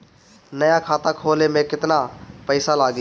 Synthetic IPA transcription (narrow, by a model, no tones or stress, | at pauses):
nəjãːkʰaːt̪ãkʰoːleːmẽkɪt̪naːpəɪsalaːɡ